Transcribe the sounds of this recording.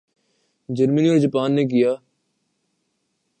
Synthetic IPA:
d͡ʒəɾməniːoɾd͡ʒəpaːnːeːk̬ɪjaː

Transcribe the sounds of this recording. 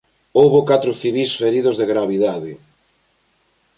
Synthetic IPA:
owβokat̪ɾʊθiβisfeɾiðozðeɣɾaβiðaðɪ

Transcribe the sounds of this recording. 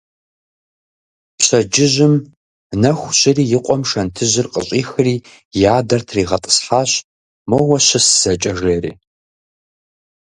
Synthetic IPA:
pɕɐd͡ʒɪʑʷɪm | nɐxʷɕʼɪriːjɪqʷʼɔmʂɐntʰɨʑɪrqʼə̰ɕʼiːxɨriː | jaːdɐrtʰriːʁɐtʼɨ̥sħaːɕ | mowɐɕɐsz̥ɐt͡ʃʼɐʒeːrḭː

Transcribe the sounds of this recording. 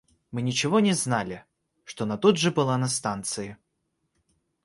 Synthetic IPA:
mɨnʲɪt͡ɕɪvonʲɪznalʲɪ | ʂt̪onɐt̪ud̪ʐɨbɨlˠanɐst̪ant̪sɨɪ

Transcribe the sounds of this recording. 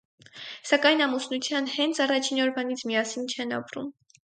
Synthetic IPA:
sɑkɑjnɑmusnut͡sʰjɑnhɛnt͡sʰɑrɑt͡ʃʰinɔɾvɑnit͡sʰmiɑsint͡ʃʰɛnɑ̰pɾṵm

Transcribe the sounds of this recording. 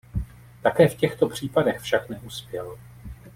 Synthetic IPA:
t̪akɛːfcɛxt̪o̞pr̝̥iːpadɛxfʃaknɛʔuspjɛl

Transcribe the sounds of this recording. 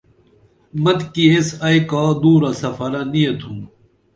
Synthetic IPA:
mɐt̪kiesɐːjkaːd̪uːɾasɐfɐɾanijɐt̪ʰũː

